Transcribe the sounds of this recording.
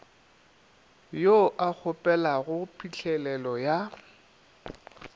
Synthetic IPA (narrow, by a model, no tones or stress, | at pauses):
joʔak͡xʰʊpʼɛlaɣʊpʰiɬʰɛlɛlɔja